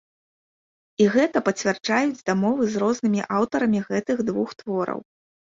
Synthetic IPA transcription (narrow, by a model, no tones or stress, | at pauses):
iɣɛt̪ɐpɐt͡sʲvʲart͡ʂajud͡zʲd̪amɔvɨzrɔznɨmʲiʔawt̪ɐɾɐmʲiɣɛt̪ɨɣd̪vuxt̪vɔɾɐ̰w